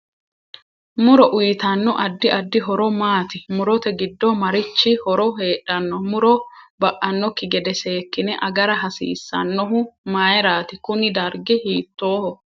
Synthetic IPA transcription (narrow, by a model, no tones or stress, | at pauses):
mʊɾɔʔʊjɪt̪ɐnːɔʔɐd̪ːɪʔɐd̪ːɪɦɔɾɔmaːt̪ɪmʊɾɔt̪ɛɡɪd̪ːɔmɐɾɪt͡ʃːɪhɔɾɔɦe̞ːᶑɐnːɔmʊɾɔbɐʔɐnːɔkːɪɡɛd̪ɛse̞ːkːɪnɛʔɐɡɐɾɐɦɐsḭːsːɐ̰nːɔɦʊmaːjɛɾaːt̪ɪkʊnɪd̪ɐɾɡɪhiːt̪ːoːhɔ